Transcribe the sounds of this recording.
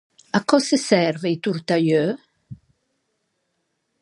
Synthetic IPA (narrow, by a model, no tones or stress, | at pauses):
akɔsəsɛɾvejt̪uɾt̪ajø